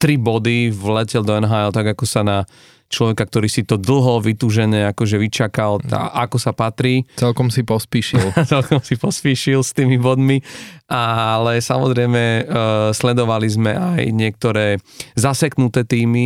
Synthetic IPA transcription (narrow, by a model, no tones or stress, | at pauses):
t̪ɾibɔd̪iʋlɛcɛld̪ɔɛnɦaːɛlt̪aɡakɔsana | t͡ʃlɔʋɛkakt̪ɔɾiːsit̪ɔd̪l̩ˠɦɔʋit̪uːʒɛɲɛakɔʒɛʋit͡ʃakala̰ʔakɔsapat̪ɾiːt͡sɛlkɔmsipɔspiːʃilt͡sɛlkɔmsipɔspiːʃilst̪iːmibɔd̪miʔalɛsamɔzɾɛɪmɛslɛd̪ɔʋalizmɛ̰ajɲɪɛk̚t̪ɔɾɛːzasɛknut̪ɛːt̪iːmi